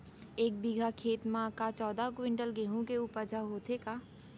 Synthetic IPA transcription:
eːk̚biɡʱakʰeːt̪mãkat͡ʃɔːd̪ʱakwɪ̃ɳɖəlɡeɦũkeʊpəd͡ʒʱaɦoːt̪ekaː

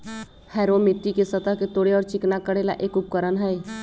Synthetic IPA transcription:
hɛːɾomɪʈːikesət̪aket̪oːɽeɔːɾt͡ʃɪknakəɽela̰ʔeːkʊp̚kəɾənɦɛː

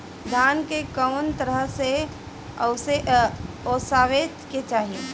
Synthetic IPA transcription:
d̪ʱaːnkekəʊnt̪əɾəɦse | se | oːsaːʋet̪ket͡ʃaːɦie

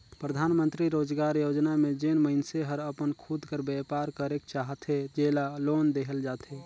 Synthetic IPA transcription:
pɾəd̪ʱaːnmənt̪ɾiɾoːd͡ʒɡaːɾjoːd͡ʒnamed͡ʒenməɪnseɦəɾəpənkʰud̪ʱkəɾbɛpaːɾkəɾek̚t͡ʃaːɦət̪ɦed͡ʒeːlaloːnd̪eɦəld͡ʒaːt̪ɦe

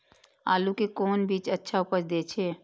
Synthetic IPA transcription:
a̰ːlukekoːnbiːt͡ʃətːʃʰaʊpət͡ʃd̪eːt͡ʃʰeː

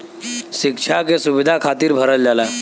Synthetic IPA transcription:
ʃɪkt͡ʃʰakesuʋɪd̪ʱakʰaːt̪iːɾbʱəɾəld͡ʒaːla

